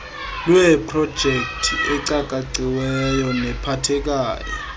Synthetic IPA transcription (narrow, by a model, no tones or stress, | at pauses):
lɛpʰrɔd̥ʒ̥ʱek̚tʰiɛǀakʼaǀiwɛjɔnɛpʰatʰɛk̬ʼaːjɔ̰